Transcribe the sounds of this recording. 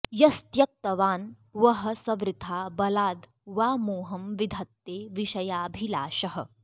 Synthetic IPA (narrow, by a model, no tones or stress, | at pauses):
jɐst̪jɐk̚t̪ɐʋaːn | ʋɐɦɐ̆sɐʋɾɪt̪ʰaːbɐlaːd̪ | ʋaːmuːɦɐmʋid̪ʱɐt̪ːeːʋiʃɐjaːbʱilaːʃɐɦɐ̰̆